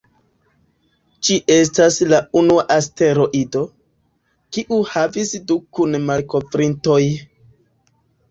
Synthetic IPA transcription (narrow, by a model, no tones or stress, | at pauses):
d͡ʒiʔe̞s̬taslaunuaʔaste̞ɾo̞ʔido̞ | kiʔuhavisdukunmalko̞fɾinto̞j